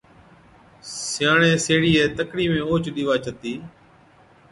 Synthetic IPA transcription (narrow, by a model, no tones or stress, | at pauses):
sɪjãːɳẽːseːɽiːɛːt̪əkɽiːmẽːoːt͡ʃɗiːʋaːt͡ʃʰət̪iː